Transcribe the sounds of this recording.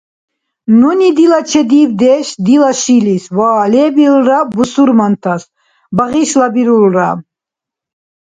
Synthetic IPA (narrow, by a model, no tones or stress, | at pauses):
nunid̪ilat͡ʃʰɛd̪ivd̪ɛʃd̪ilaʃiliswaːlɛbilɾabusuɾmant̪ʰas | baʁiʃlabiɾulɾa